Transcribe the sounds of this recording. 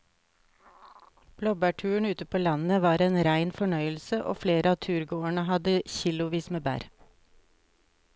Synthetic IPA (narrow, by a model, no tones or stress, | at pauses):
b̥lɔbæʈʰʉːəɳ̩ʉːt̪əpʰoːlɑnn̩əʋɑːɾeːnɾæɪnfɔɳœʏəl̩səʔo̰ːfleːɾəɑːt̪ʰʉːɾɡoːəɳəhɑd̪əçilʊʋiːsmeːbæ̰ːɾ